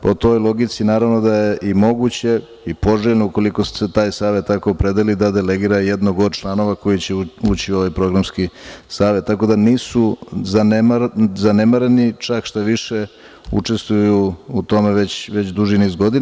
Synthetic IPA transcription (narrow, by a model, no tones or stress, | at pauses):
po̞t̪o̞jlˠo̞ɡit̪sinaːɾaʋno̞d̪ajeʔimo̞ɡut͡ɕe̞ | ipo̞ʒeʎnouko̞liko̞su̥se̞t̪aːjsaːʋe̞t̪̚t̪ːako̞ːpɾe̞d̪elid̪ad̪e̞leɡiːɾajed̪noɡod̪t͡ʃlˠaːno̞ʋako̞jit͡ɕeuːt͡ɕio̞ʋajpɾo̞ɡɾamskisaːʋe̞t̪ːako̞d̪aniːsuzanzane̞maɾenit͡ʃakʃt̪aʋiʃe | ṵt͡ʂe̞st̪ʋujuːt̪o̞me̞ʋet͡ɕʋet͡ɕd̪uʒinizɡo̞d̪in